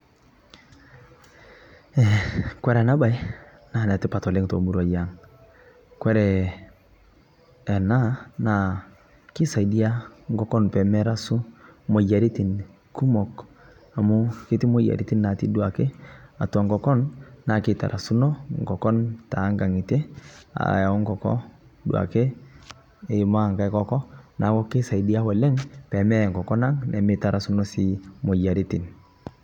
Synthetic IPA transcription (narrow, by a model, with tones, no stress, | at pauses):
ɛ˨kwɛ˦ɾa˨na˦ba˦j | na˦˨nɛ˨tɪ˦pa˨tɔ˨lɪ˦ŋto̰˨mu˦ɾa˨ja˨˦ŋ | kwɛ˦ɾɛ˨ | na˦na˨ | kɪ˦sa˨i˨di˦a˦ŋɡɔ˦kɔ˦npɛ˨mɛ˦ɾa˦su˦mo˨ja˨ɾi˦ti˨n | ku˦mɔ˨k | a˨mu˦kɪ˦ti˦mo˦ja̰˨ɾi˦ti˦nːa˨ti˦du˦a˨ke˦a˨twa˨ŋɡɔ˨kɔ˦nna˨kɪ˦˨ta̰˨ɾʔa˨su˦nɔ˦ŋ˨ɡɔ˨kɔ˦nta˨˦ŋɡa˨ŋi˨te˦a̰˨ja˨ɔ˦ŋɡɔ˨kɔ̰˦ | dṵ˨a̰˨ke˦ | e˨ma˦˨ŋka˦kɔ˦kɔ˦na˨kɔ˦kɪ˦sa˨i˨di˦a˦wɔ˨lɛ˦ŋpɛ˨mɛ˦˨ŋkɔ˨kɔ˦na˦ŋnɛ˨mɪ˦˨ta˨ɾa˨su˦nɔ˦si˨˦mo˨ja˨ɾi˦ti˨n